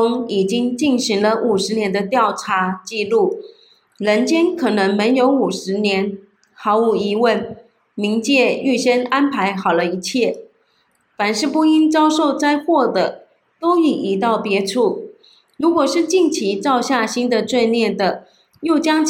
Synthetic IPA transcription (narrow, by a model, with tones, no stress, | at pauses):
ʊ˥ŋi˨˩t͡ɕi˥ŋt͡ɕi˥˩nɕi˧˥ŋlə˧ʔu˨˩ʂɻ̩˧˥njɛ˧˥nd̪ə˧t̪jɑ˥˩ʊʈ͡ʂʰa˧˥˦t͡ɕi˥˧lu˥˩ | ɻə˧˥nt͡ɕjɛ˥nkʰɤ˨˩nɤ˧˥ŋme˧˥njo˧˥ʊu˨˩ʂɻ̩˧˥njɛ˧˥n | xɑ˧˥ʊu˧˩i˧˥wə˥˩n | mi˧˥ŋt͡ɕjɛ˥˧y˥˩ɕɛ˥na˥npʰa˧˥ɪxɑ˨˩ʊlə˦i˧˥t͡ɕʰjɛ˥˩ | fa˨˩nʂɻ̩˥˧pu˥˧i˥nt͡sɑ˥ʊʂo˥˧ʊt͡sa˥ɪxwɔ˥˩d̪ə˩ | t̪o˥ʊi˨˩ʔi˧˥t̪ɑ˥˩ʊpjɛ˧˥ʈ͡ʂʰu˥˩ | ɻu˧˥kwɔ˨˩ʂɻ̩˥˧t͡ɕi˥˩ŋt͡ɕʰi˧˥t͡sɑ˥˧ʊɕja˥˩ɕi˥nd̪ə˨t͡swe˥˧ɪnjɛ˥˩nd̪ə˩ | jo˥˩ʊt͡ɕjɑ˥ŋ